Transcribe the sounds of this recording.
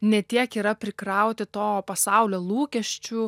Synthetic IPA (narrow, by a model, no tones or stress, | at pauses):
nʲɛt̪ʲiɛkiːɾɐpʲɾʲɪkɾɐʊt̪ʲɪt̪oːpɐsɑʊlʲoːlˠuːkʲɛʃʲt͡ʃʲu